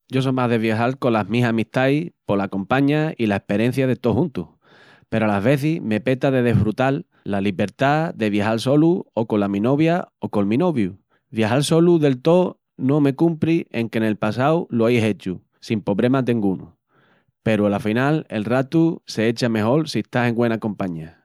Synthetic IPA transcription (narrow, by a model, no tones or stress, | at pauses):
ɟ͡ʝo̞somaɦðe̞β̞jaɦalkolaɦmĩsamiht̪ajpo̞lako̞mpaɲailaehpe̞ɾe̞n̟θjaðet̪o̞hũnt̪uh | pe̞ɾoalaɦβe̞θihme̞pe̞t̪aðe̞ðe̞hfɾut̪alː | aliβe̞ɾt̪aðe̞β̞jahalso̞luoko̞lamĩno̞βjaoko̞lmĩno̞βju | βjaɦalso̞luðe̞lt̪o̞ | no̞me̞kumpɾie̞ŋke̞ne̞lpasawloejɦe̞t͡ʃu | simpo̞βɾe̞mat̪eŋɡunṵ | pe̞ɾualafinale̞̰lrat̪use̞et͡ʃame̞ho̞lsieht̪aseŋɡwe̞nakõ̞mpaɲa